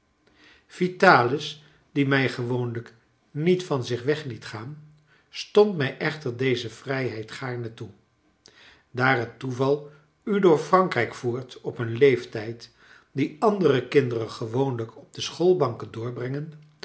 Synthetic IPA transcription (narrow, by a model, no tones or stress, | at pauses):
v̥itaːlɪs | d̥imɛjχəʋownlək | nitfɑnzɪχʋɛχlitχaːn | stɔntmɛjʔɛχtəɹdejzəv̥rɛjɦɛjtχaːɹnətu | daːrɦətːuvɑlˠ | ydʊːɹfrɑŋkrɛjkfuːɹtɔpənlejftɛjt | diɑndərəkɪndərəχəʋownləkɔb̚dəsχolˠbɑŋkəndʊːɹbrɛŋən